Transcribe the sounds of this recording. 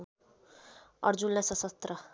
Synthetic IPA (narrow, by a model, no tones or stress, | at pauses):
ʌ̰ɾd͡zunlasʌsʌst̪ɾʌ